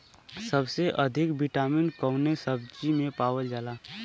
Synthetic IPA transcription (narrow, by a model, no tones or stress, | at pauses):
səbseʔəd̪ʱɪkbɪʈaːmɪnkəʊnesəb̚d͡ʒimẽpaːwəld͡ʒaːlaː